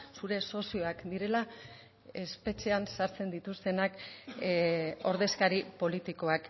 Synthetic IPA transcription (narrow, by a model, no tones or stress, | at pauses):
suɾe̞so̞sio̞akd̪iɾe̞la | e̞spe̞t͡ʃe̞ansaɾt͡se̞nd̪it̪ust̪e̞nak | o̞ɾðe̞skaɾipo̞lit̪iko̞ak